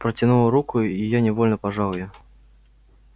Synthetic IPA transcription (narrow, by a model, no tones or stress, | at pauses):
pɾɐt͡sʲinuwɾukuijanʲɛvɔlʲnɐpaʐawja